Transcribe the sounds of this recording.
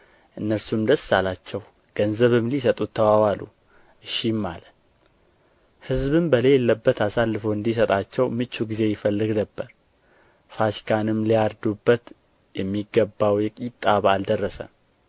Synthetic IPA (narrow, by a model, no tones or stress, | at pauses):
ʔɨnːəɾsumd̪əsːalat͡ʃːɛw | ɡ̥ənzəβɨmlisət̪ʼut̪ʰːəwawalṵ | ʔɨʃimːa̰lət̪ | hɨzbɨmbəlelːəbːət̪asalːɨfowɨnd̪is̬ət̪ʼat͡ʃːɛwmɨt͡ʃːuɡize̞jɪfəlːɨɡnəbːəɾ | fasi̥kʰanɨmliaɾd̪ubːət̪ | jɛmːiɡəbːawjɛkʼit̪ʼːaβald̪ərːəsə̰